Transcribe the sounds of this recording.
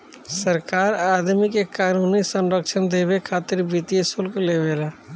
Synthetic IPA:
səɾkaːɾaːd̪mikekaːnuːnisə̃nɾəkʃənd̪eːbekʰaːt̪ɪɾbit̪ijesʊlkleʋeːlaː

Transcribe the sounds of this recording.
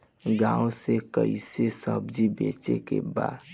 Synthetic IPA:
ɡãõsekəisesəbd͡ʒibet͡ʃekḛba̰d̪

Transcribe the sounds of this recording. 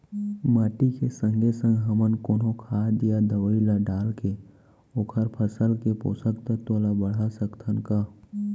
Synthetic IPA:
maːʈikesə̃ŋɡʱesə̃ŋɡɦəmənkoːnɦokʰaːd̪ijad̪əʋəilaɖaːlke | oːkʰəɾpʰəsəlkepo̰ːsəkt̪ət̪olabəɽ̤asəkt̪ʰənkaː

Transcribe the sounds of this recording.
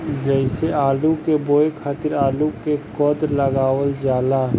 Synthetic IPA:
d͡ʒəɪseaːlukeboːekʰaːt̪ɪɾaːlukekɔːd̪ləɡaːwəld͡ʒaːla

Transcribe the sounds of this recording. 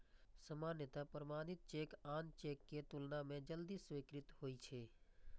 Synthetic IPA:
səmaːnjət̪apəɾəmaːnɪt̪̚t͡ʃeːkaːnt͡ʃeːkːet̪ʊlnamẽd͡ʒəld̪iːsʋeːkɾɪt̪ɦoːit͡ʃʰeː

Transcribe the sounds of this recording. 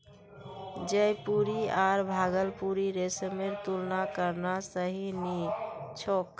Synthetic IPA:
d͡ʒəjpuɾiaɾbʱaɡəlpuɾiɾesəmeɾt̪ulnakəɾnasəɦinit͡ʃʰokː

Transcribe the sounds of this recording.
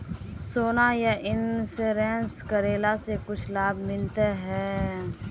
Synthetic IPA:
soːnajaʔɪnseɾɛ̃ːnskəɾeːlasekʊt͡ʃʰlaːbʱmɪlt̪eɦɛː

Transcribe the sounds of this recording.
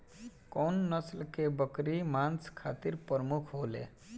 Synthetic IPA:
kɔnːəslkebəkɾimant͡skʰat̪iɾpəɾmukʰɦolḛ

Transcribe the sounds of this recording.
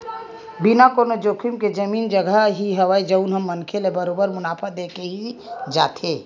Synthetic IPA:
binakoːnod͡ʒoːkʰimked͡ʒəmiːnd͡ʒəɡəɦiɦəʋaid͡ʒəunɦəmːənkʰelebəɾoːbəɾmʊnaːpʰad̪eːkeɦid͡ʒaːt̪eː

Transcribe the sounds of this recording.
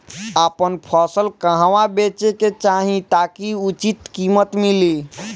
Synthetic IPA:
apənpʰəsəlkəɦawabet͡ʃeket͡ʃaɦĩt̪akiut͡ʃit̪kimət̪mili

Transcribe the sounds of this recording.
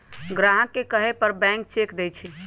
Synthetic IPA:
ɡɾaɦəkːekəɦepəɾbɛ̃ŋk̚t͡ʃekd̪ɛjt͡ʃʰi

